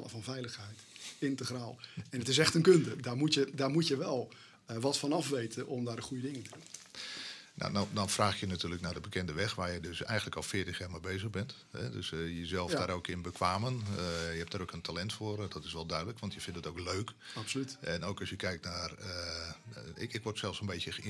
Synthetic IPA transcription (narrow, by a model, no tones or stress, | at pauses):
lə̰fɔnvɛjləxɦɛjtɪntəxraːlˠɛnətɪs̬ɛxtənkøndədaːmutjədaːrmutjəʋɛlˠ | ʋɔtfɔnɑfʋejtʰənɔmdaːrəxujədɪŋəɪntədun | na̰dɔdɔnfraːxjənatyːləknaːrdəbəkɛndəʋɛxʋaːɹjədøsɛ̰jxən̩ləkɔlˠfɪːtəxjaːɹmebejzəɣbɛnt | ɦɛ̰døsjəzɛlˠfdaːɾoːkɪnbəkʋaːmənjəɦɛp̚d̥aːɾowkəntalɛntfʊːrdɔtɪsʋɛlˠdœɥdələkʋɑntjəfɪntətowkløɥksolytɛnowkɔsjəkɛjk̚tnarə | ɪkɪkʋɔrtsɛlˠfsənbejtjə